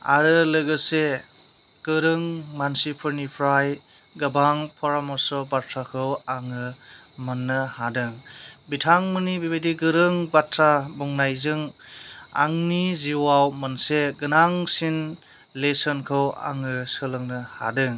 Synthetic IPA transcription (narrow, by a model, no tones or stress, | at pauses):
a̰ɾɯlɯɡɯse | ɡ̥ɯɾɯŋmansipʰɯɾnipʰɾaj | ɡabaŋpʰɔɾamɔsɔbatʰɾakʰɯwaŋɯmɯnːɯhadɯŋbitʰaŋmɯnibibediɡɯɾɯŋbatʰɾabɔŋnajzɯŋ | a̰ŋniziwawmanseɡɯnaŋsin | lesɔnkʰɯwa̰ŋɯsɯlɯŋnɯha̰dɯŋ